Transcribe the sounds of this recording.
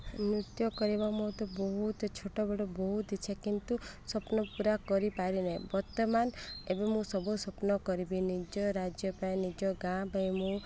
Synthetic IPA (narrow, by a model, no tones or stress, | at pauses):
nut̪jɔkɔɾibamɔt̪ɔbɔɦut̪t͡ʃʰoʈɔbɔɽɔbɔɦut̪t͡ʃʰekint̪usɔpnɔpuɾakɔɾipaɾinejbɔɾt̪ɔmanebɔmũsɔbusɔpnɔkɔɾibinid͡ʒɔɾad͡ʒjɔpanid͡ʒɔɡãbajmũ